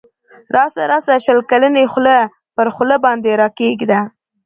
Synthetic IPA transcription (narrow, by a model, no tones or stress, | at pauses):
ɾʔɑsaɾasaʃəlkalənexlə | pəɾxləbɑnd̪eɾɑkeɡd̪a